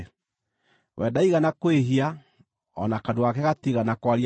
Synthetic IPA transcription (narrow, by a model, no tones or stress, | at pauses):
wɛdaiɣanakweɦia | ɔ̰nakadoakɛɣatiɣanakwaɾi